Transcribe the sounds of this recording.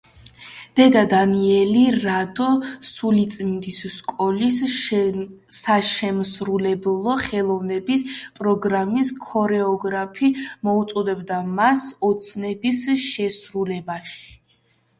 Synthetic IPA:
d̪̥ɛd̪ad̪aniɛliɾad̪ɔsulit̪sʼmind̪isːkʼɔlis | aʃɛmsɾulɛblˠɔχɛlˠɔvnɛbispʼɾɔɡɾamiskʰɔɾɛɔɡɾapʰimɔut̪sʼɔd̪ɛbd̪amasɔt̪sʰnɛbisʃɛsɾulɛbaʃi̥

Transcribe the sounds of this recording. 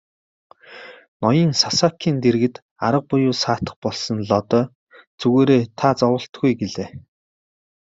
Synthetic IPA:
nɔjiːŋsasaːkʰiːnt̪eɾɣɘ̆t̪ | aɾə̆q̚pʊjʊːsaːt̪ə̥̆χpɔɮsɞ̆nɮɔt̪ɔː | t͡suɣeːɾeːt̪ʰat͡sɔwə̆ɬt̪ɡujɡeɮeː

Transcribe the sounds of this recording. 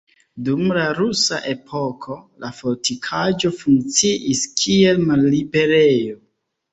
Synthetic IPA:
dumlaɾusa̰ʔe̞pʰo̞kʰo̞lafoɾtʰikʰad͡ʒo̞fuŋk̚t͡siʔiskʰie̞lmalːibe̞ɾejo

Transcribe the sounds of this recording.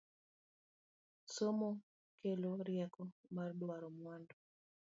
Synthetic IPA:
somɔ | keloɾjakɔmardɔwaɾɔmwandɔ

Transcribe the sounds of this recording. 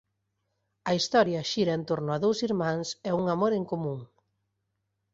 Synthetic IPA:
ɐist̪ɔɾjɐʃiɾɐent̪oɾnʊaðowsiɾmãŋsɛuŋamoɾeŋkomũŋ

